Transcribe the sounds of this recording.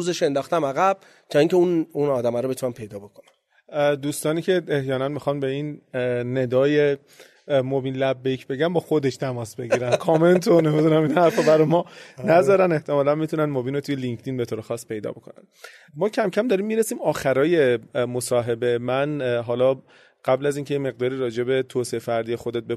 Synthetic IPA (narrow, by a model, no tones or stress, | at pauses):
uːzeʃe̞nd̪ɒːxt̪æmæɣæb̥̚ | t͡ʃʰeiŋcʰeununɒːd̪æmæɾobet̪unæmpʰe̞jd̪ɒːbo̞kʰonæ | d̪uːst̪ɒːniːcʰe̞ehjɒːnænmixɒnbe̞inːe̞d̪ɒːje̞ | mobiːnlæbːecʰbe̞ɟænbɒːxo̞d̪e̞ʃt̪ʰæmɒːsbe̞ɟiɾænkʰɒːme̞nt̪ʰone̞mid̪unæminhæɾfɒbæɾɔjmɒnæzɒːɾæne̞ht̪ʰe̞mɒːlænmit̪ʰunænmobiːnot̪ʰujeliŋkʰt̪iːnbet̪ʰoːɾexɒːsːpʰe̞jd̪ɒ̰ːbo̞kʰo̞næ̰n | mɒːcʰæmcʰæmd̪ɒːɾiːmːiːɾesiːmɒːxæɾɒːje̞mo̞sɒːɦe̞be̞mænɦɒːlɒː | ɢ̥æblæziːncʰe̞jeme̞ɣ̚d̪ɒːɾiːɾɒːd͡ʒe̞be̞t̪ʰoːseefæɾd̪ijexod̪e̞t̪̚be